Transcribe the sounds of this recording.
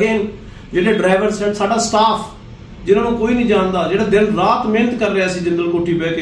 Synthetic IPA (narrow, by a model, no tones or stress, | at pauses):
ɡeː | d͡ʒeːɽeːɖɾaːɪʋəɾsɛːʈsaːɖaːst̪aːpʰ | d͡ʒɪnãːnũːkoːiːnəĩːd͡ʒãːnd̪aːd͡ʒeːɽaːd̪ɪlɾaːt̪mẽːnət̪kəɾːeaːsĩːd͡ʒɪnd̪əlkoːʈʰːiːbɛːkː